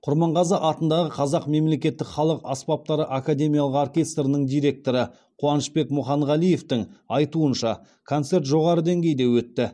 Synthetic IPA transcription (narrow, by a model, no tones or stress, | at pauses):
qʰʊɾmɑɴʁɑzəʔɑt̪ənd̪ɑʁəqʰɑzɑqme̞mle̞kʲe̞t̪ːɪkχɑlˠəqɑspɑp̚t̪ɑɾəʔakad̪ʲe̞mʲijɑlˠəqorkʲe̞st̪ɾənəɴd̪ijɾe̞k̚t̪o̞ɾə | qʰuɑnəʃbe̞kmʊχɑɴʁɑlˠije̞ft̪ɪŋɑjt̪uənʃɑ | kʰo̞nt̪se̞ɾt̪ʒo̞ʁɑɾəd̪eŋɡʲe̞jd̪ewɵt̪ːɪ